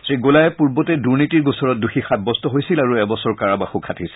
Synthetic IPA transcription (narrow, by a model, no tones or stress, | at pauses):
sɹiɡolajɛpuɹbɔtɛduɹnitiɹɡusɔɹɔt̚duxixad̚bɔstɔɦojsilaɹuɛbɔsɔɹkaɹabaxukʰatʰis